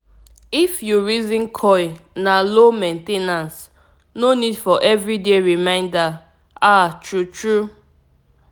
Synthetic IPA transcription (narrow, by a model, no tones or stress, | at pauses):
ifjuɹizĩnkʰɔjnalomẽntenãns | nonidfɔʔɛvɹideɹimãɪ̃nda | atʰɹutɹu